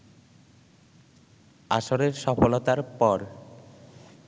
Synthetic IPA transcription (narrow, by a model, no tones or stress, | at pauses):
a̰ʃoɾeɾʃɔfolot̪aɾpɔɾ